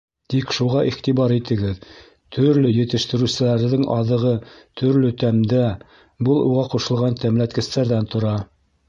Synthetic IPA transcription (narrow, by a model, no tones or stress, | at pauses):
t̪ikʃuʁɑʔiχt̪iβɑɾit̪ɘ̆ɡɘð | t̪ʰɵ̆ɾlɵjɘ̆t̪ɘ̆ʃt̪ɘ̆ɾʉsɘ̆læɾðɘŋʔɑ̰ðɤ̆ʁɤt̪ʰɵ̆ɾlɵt̪æmd̪æ | bɤlˠuʁɑquʃɤ̆lˠʁɑnt̪æmlæt̪̚kɘ̆st̪æɾðænt̪ŏɾɑ